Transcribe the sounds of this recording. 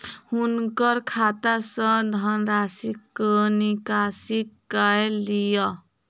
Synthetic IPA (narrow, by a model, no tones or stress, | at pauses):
hunkʌɾkʰat̪asʌ̃d̪ʱʌnɾasiknikasikː | ajlijʌ